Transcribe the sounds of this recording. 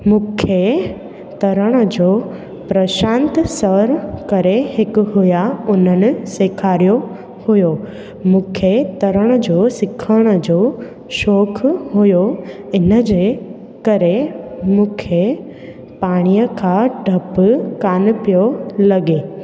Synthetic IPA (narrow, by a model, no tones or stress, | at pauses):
mũːkʰe | t̪ɐɾəɽ̃əd͡ʑoː | pɾɐʃãːnt̪səɾkɐɾeɦɪkʊɦʊjaʊn̤ənɪ̆seːkʰaːɾijo | hʊjo | mũːkʰet̪ɐɾəɽ̃əd͡ʑosɪkʰəɽ̃ə̆d͡ʑoː | ʃɔːkʰɦʊjo | ɪnəd͡ʑeː | kɐɾemũːkʰe | paːɽ̃ijəkʰãːɖʱɐpkaːn̆pijolɐɠeː